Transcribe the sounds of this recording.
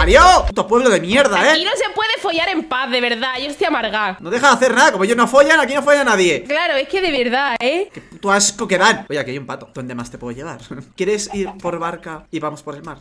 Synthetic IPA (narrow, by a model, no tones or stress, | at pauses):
aɾjot̪opwe̞βloðe̞mje̞ɾðaekinose̞pwe̞ðefoʝaɾe̞mpaθðe̞β̞e̞ɾðaeʝost̪jamaɾɣ̞anoðe̞xaðaθeɾnaðakomoejoznofoʝanakino̞fojanaðje̞klaɾoehke̞ðe̞βeɾðaekept̪uaskokeβanoʝakeajumpat̪oðo̞nd̪e̞mast̪e̞pweðeje̞β̞a̰ɾkje̞ɾesiɾpo̞ɾβaɾkaiβamo̞spoɾelmaɾ